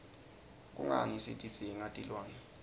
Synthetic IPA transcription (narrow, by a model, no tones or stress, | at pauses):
k̬ʼṵŋa̰nisḭtʼi̥t͡sʼiɛŋatʼilwaːni